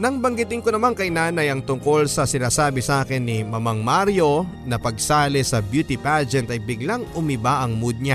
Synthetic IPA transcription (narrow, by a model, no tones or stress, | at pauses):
nɐŋbɐŋɡɪt̪ɪŋkonɐmaŋkɐjnaːnɐjɐŋt̪ʊŋko̞lsɐsɪnaːsaːbɪsʔaːkɪnːɪmɐmɐŋmaɾjo̞ | nɐpɐɡsaːlɪsɐbjuːt̪ɪpad͡ʒɛnt̪ɐjbɪɡlaŋʔʊmɪbaʔɐŋmud̪̚ɲa